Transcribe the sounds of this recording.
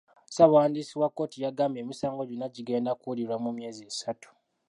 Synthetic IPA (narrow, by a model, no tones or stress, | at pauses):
sawaːndisiwakːo̞ːtijaɡambe̞ːmisaːŋɡo̞ɟunaɟiɡe̞ːndakuuliɾwamumje̞ːziesatu̥